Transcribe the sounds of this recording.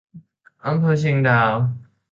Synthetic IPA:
ʔa˧mpʰɤː˧ɕi˧ŋdaː˧˩w

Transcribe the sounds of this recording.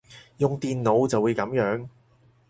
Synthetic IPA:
jʊ˨ŋt̪iː˨nno˨˧wt͡sɐ˨wːuː˨˧jkɐ˨˥mjœː˨˥ŋ

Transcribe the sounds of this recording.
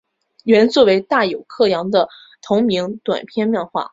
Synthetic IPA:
ɥɛ˧˥nt͡swɔ˥˩we˧˥ɪt̪a˥˩jo˨˩ʊkʰɤ˥˩jɑ˧˥ŋd̪ə˧ | t̪ʰʊ˧˥ŋmi˧˥ŋt̪wa̰˨˩npʰjɛ˥˧nmjɛ˥˧nxwa̰˥˩

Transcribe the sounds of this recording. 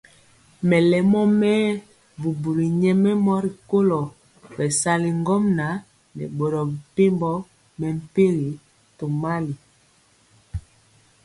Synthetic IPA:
mɛ˨lɛ˨mɔ˦mɛ˦ | bu˨bu˨ɾi˨ɲɛ˦mɛ˦mɔ˦ɾi˨ko˦lɔ˨ | bɛ˨sa˦li˨ŋɡɔ˦mna˨˦ | nɛ̰˨ɓɔ˨ɾɔ˨bi˨pe˦mbɔ˦ | mɛ˨m˨pe˦ɣi˨ | to˨ma˦li˨

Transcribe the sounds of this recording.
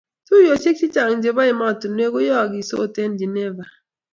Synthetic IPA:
tu˦jo˨t͡ʃi˦t͡ʃi˦t͡ʃa˨ŋ̩˨d͡ʒe˨ba˦ɪ˨ma˦˨tu˨n˦e˦ɡo˦jɔ˦˨ɡi˨so̰˦˨te˦n̩˦d͡ʒi˨ne˦va˨

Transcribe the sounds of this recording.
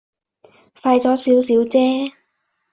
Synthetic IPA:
faː˧jt͡sɔː˨˥siː˨˥wsiː˨˥wt͡sɛː˥

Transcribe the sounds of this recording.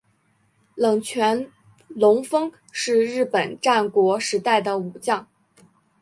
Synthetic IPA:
lɤ˨˩ŋt͡ɕʰɥɛ˧˥n | lʊ˧˥ŋfɤ˥ŋ | ʂɻ̩˥˧ɻɻ̩˥˩pə˨˩nʈ͡ʂa˥˩nkwɔ˧˥ʂɻ̩˧˥t̪a˥˩ɪd̪ə˩u˨˩t͡ɕjɑ˥˩ŋ

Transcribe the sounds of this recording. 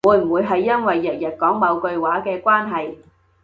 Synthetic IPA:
uː˨˧jm̩˨˩wuː˨˧jɦɐ˨jːɐ˥nwɐ˨jːɐ˨˩t̚jɐ˨˩t̚kɔː˨˥ŋmɐ˨˧wkɵ˧ɥwaː˨˥kɛː˧kʷaː˥nɦɐ˨j

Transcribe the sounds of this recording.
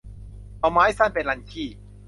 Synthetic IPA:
a˧wmaː˦˥jsa˥˩npe˧˩nla˧nkʰiː˥˩

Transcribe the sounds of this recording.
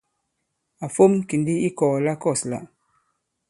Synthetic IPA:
a˨fo˦mki˨ndi˦i˦kɔː˨la˦kɔ˦˨sla̰˨

